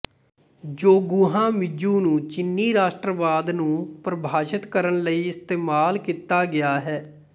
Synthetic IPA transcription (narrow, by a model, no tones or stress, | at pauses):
d͡ʒoːɡʊːɦãːmɪd͡ʒũːnũːt͡ʃɪnːiːɾaːʃʈɾəʋaːd̪nũːpɾəbʱaːʃət̪kəɾəɳləiːɪst̪eːmaːlkiːt̪aːɡɪjaːɦɛː